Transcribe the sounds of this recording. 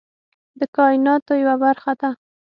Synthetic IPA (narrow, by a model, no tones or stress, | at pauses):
d̪əkɑɪnɑt̪ojawabaɾxad̪a